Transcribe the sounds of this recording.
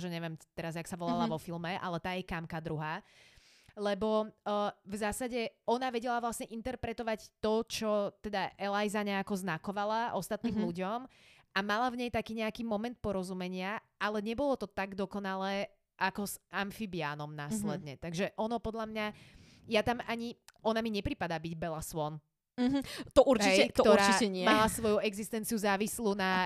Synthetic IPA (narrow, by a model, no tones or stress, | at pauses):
ʒɛɲɛʋjɛmt̪ɛɾazjaksaʋɔlalaʋɔfilˠmɛʔa̰lɛt̪aːjɛkamkad̪ɾuɦaː | lɛbɔ | vzaːsaɟɛɔnaʋɛɟɛlaʋlasɲɛʔint̪ɛɾpɾɛt̪ɔʋact̪ɔt͡ʃɔt̪ɛd̪aʔɛlajzaɲɛakɔznakɔʋalaʔɔst̪at̪niːmluɟɔm | ʔamalavɲɛjt̪akiːɲɛakiːmɔmɛnt̪̚pɔɾɔzumɛɲɪaʔalɛɲɛbɔlɔt̪ɔt̪aɡd̪ɔkɔnalɛː | ʔakɔzʔaɱfibɪa̰ːnɔmnaːslɛd̪ɲɛt̪aɡʒɛʔɔnɔpɔd̪ʎlamɲa | jat̪amaɲiɔnamiɲɛpɾipad̪aːbiɟbɛlasʋɔn | t̪ɔʔuɾɦt͡ʃiɛɛk̪ɔt̪ɔɾat͡ʃːiɛɲɪɛmalasʋɔjuɛɡzist̪ɛnt͡siuzaːʋisluna